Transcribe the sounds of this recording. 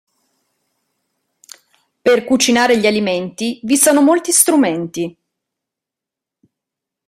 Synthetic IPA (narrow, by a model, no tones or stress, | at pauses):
perkut͡ʃinaːɾeʎialiment̪ivisɔoːnomolt̪ist̪ɾument̪i